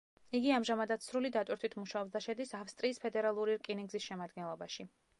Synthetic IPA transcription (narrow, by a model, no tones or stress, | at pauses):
iɡiamʒamad̪at̪sɾulid̪at̪ʼwiɾt̪ʰwit̪ʰmuʃaɔbzd̪aʃɛd̪isafst̪ʼɾiːspʰɛd̪ɛɾalˠuɾiɾkʼiniŋɡzisʃɛmad̪ɡɛnlˠɔbaʃi